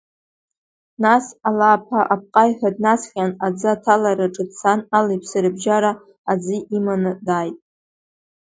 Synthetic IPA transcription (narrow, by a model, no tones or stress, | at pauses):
nasalaːpʰaʔap̚ʰqʼajħad̚nasχʲanad͡zɨatʰalaɾaʈ͡ʂʼɨt͡sʰanalajpʰsaɾɨbʒaɾa | ad͡zɨimanɨdaːjtʼ